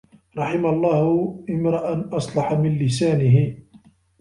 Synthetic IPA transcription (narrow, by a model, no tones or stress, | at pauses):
ɾˤɑħɪmalˤːɑːhʔɪmɾɑʔanʔɑsˤlɑħamɪnlɪsaːnɪɦɪ